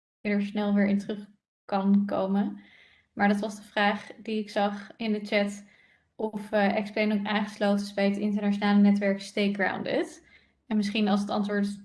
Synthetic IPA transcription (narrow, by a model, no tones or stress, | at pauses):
ɪnəɹsnɛlˠʋɪːɹɪntrɵχ | kɑnko̰wmə | maːɹdɑtʋɑzdəvraːχdiɪksɑχɪndət͡ʃɛt | ʔɔfʔɛksplejnʊmaːŋχəslowtəɪzbɛjɦətɪntəɹnat͡ʃonaːlənɛtʋɛɹkstejɡɹa̰wndɪ̰t | ɛnmɪsχinɑlˠs̬ətɑ̰ntʋʊːɹt